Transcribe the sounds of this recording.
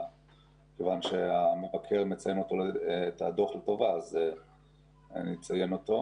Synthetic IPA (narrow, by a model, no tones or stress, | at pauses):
kevanʃeame̞vakʰe̞ʁmet͡sajeno̞tolːt̪a̰d̪o̞χelto̞vaze | nit͡saje̞no̞t̪o̞